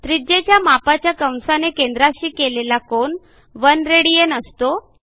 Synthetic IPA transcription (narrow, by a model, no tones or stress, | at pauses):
t̪ɾid͡ʑet͡ɕjamapat͡ɕjakəw̃nsanekend̪ɾaɕiːkelelakoɳ | ʋənɾeɽijenəst̪o